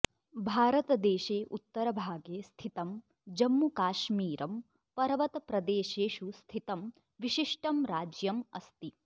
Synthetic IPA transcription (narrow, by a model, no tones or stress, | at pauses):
bʱaːɾɐt̪ɐd̪eːʃeːʔut̪ːɐɾɐbʱaːɡeːst̪ʰit̪ɐm | d͡ʒɐmːukaːʃmiːɾɐm | pɐɾɐʋɐt̪ɐpɾɐd̪eːʃeːʃust̪ʰit̪ɐm | ʋiʃiʂʈɐmɾaːd͡ʒjɐmɐst̪i